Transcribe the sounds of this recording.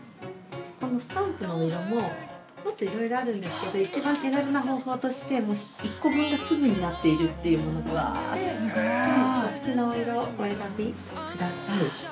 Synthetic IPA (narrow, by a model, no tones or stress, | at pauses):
ko̞no̞sɨ̥t̪ãmpɯ̟noːiɾomo̞ | mo̞t̪ːo̞iɾo̞iɾo̞aɾɯ̟̃nd̪e̞sɨ̥ke̞d̪o̞it͡ɕibãŋk̪ʲeɾaɾɯnaɦo̞ːho̞ːt̪o̞ɕi̥t̪e̞moː | ikːobɯ̟̃ŋɡasɨbɯ̟ɲ̟inat̪ːe̞iɾɯ̟t̪ːe̞jɯ̟mo̞no̞d̪eβa̰sakasɨ̥kʲinaoiɾo̞ːeɾabʲi | kɯ̟d̪asai